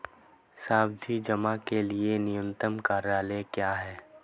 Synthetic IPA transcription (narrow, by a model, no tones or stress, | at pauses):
saːb̚d̪ʱid͡ʒəmakelienɪjə̃nt̪əmkaːɾaːlekjaːɦɛː